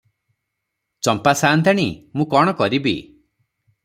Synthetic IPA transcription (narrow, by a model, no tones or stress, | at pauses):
t͡ʃɔmpasaːnt̪ʰaɽ̃imũkɔɽ̃ɔkɔɾibḭ